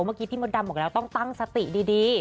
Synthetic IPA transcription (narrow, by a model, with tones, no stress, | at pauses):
maː˥˩kiː˧t̪ʰiː˥˩mo˧˥nda˧m̚ː˨˩lɛ˦˥wt̪ɔ˥˩ŋt̪a˥˩ŋsa˧t̪i˨˩diː˧diː˧